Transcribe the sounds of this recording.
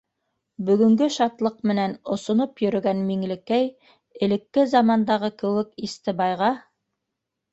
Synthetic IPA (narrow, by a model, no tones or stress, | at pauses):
bɵ̆ɡɵ̆ŋɡɵʃɑt̪lˠɤq̚mɘ̆nænŏsŏnopjɵ̆ɾɵ̆ɡænmiŋlɘ̆kæj | ɘ̆lɘ̆kːɘzɑmɑnd̪ɑʁɤkɘ̆wɘkist̪ɘbɑjʁɑ